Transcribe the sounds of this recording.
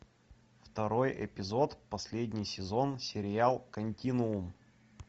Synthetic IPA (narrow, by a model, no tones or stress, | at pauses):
ft̪ɐɾo̞jʔɪ̰pʲɪzo̞t̪pɐsʲlʲedʲnʲɪjsʲɪzo̞nsʲɪɾʲɪalˠkɐnʲtʲinʊʊm